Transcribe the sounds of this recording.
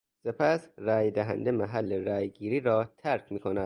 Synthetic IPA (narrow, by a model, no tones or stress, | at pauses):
se̞pʰæsræːjd̪æɦæ̰nd̪e̞mæɦælːeɾæːjɡiːɾiːɾɒːt̪ʰæɾkʰmiːkʰonæd̪̥̚